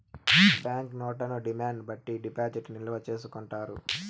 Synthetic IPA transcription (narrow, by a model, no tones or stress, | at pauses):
bjaːŋknɔːʈɐnuɖimaːɳɖbɐʈːiɖipaːd͡ʒiʈnilɐʋɐt͡ʃe̞ːsukuɳʈaːɾu